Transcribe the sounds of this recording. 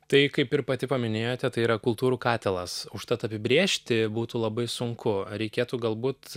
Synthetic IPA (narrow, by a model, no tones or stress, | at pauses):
t̪ɐɪkɐɪpɪɾpɐt̪ʲɪpɐmʲɪnʲeːjoːt̪ʲɛt̪ɐɪiːɾɐkʊlˠt̪uːɾuːkɑːt̪ʲɛlˠɐsʊʃt̪ɐt̪ɐpʲɪbʲɾʲeːʃʲt̪ʲɪbuːt̪uːlˠɐbɐɪsʊŋkʊɾʲɛɪkʲeːt̪uːɡɐlˠbuːt̪